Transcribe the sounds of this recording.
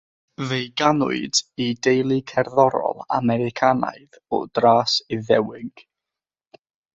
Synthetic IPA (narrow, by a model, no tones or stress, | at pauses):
vejɡanʊ̰ɨd̥idejlˠikʰɛrðɔɾɔ̰lˠa̰mɛɾɪkʰana̰jð | ɔ̰d̥raːsɪðɛwɪɡ̥